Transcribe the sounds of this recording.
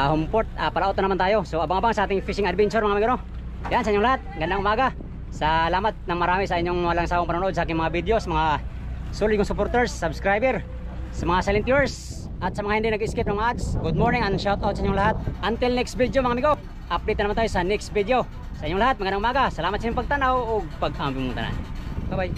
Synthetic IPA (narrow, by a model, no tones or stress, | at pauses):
ahʊmpoɾt̪̚apɐlaʔot̪anɐmant̪aːjo̞soʔɐbaŋabaŋsɐʔaːt̪ɪŋfiʃɪŋɐd̪bɛnsʊɾmɐŋamɪɡoɾo | jaʔansɐʔiɲːʊŋlɐaɦat̪̚mɐɡɐnd̪aŋʊmaːɡa | sɐlaːmat̪̚nɐŋmɐɾaːmisɐʔɪɲːoŋmalaŋsaːwoŋpɐnunoʔod̪̚sɐaːkɪŋmɐŋabid̪josɐmɐŋa | sulʊd̪koŋsʊpoɾt̪ɛɹsːɐbskɾajbɛɾ | sɐmɐŋasalɪnt̪iɛɹs | ʔɐt̪sɐmɐŋahɪnd̪ɪnɐɡɪskɪp̚nɐŋmaʔad̪sɡʊd̪̚moɹnɪŋɐŋʃawt̪awt̪sɐiɲːʊŋlɐhat̪̚ʔɐnt̪ɪlnɛkst̪̚vid̪jomɐŋamɪɡo | ʔɐp̚d̪ejt̪ːnmant̪aːjosɐnɛkst̪̚vid̪eo | sɐʔiɲːʊŋlahat̪̚mɐɡɐnd̪aŋʔʊmaːɡasɐlaːmat̪sɐiɲompɐɡ̚t̪anawoɡ̚pɐɡ̚ʔampimunt̪a̰na̰nbabaj